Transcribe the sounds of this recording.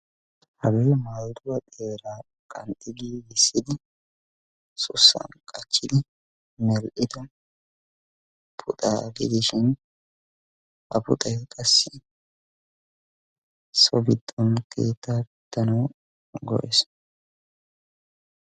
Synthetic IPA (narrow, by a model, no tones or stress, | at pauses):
hɐɡɛjmaːld̪ʊwɐt̪ʼe̞ːɾaː | kʼɐnt̪ʼːɪɡiːjɪsːɪd̪ɪ | sʊsːɐ̰nkʼɐt͡ʃːɪd̪ɪ | mɛlʔɪd̪ɔ | pʰʊt̪ʼa̰ɡɪd̪ɪʃɪn | hɐpʊ̰t̪ʼɐjkʼɐsːɪ | sɔbɪt̪ʼːɔnkʰḛːt̪ːaːbd̪̥ːɐnɐw | ɡɔ̰ʔɛs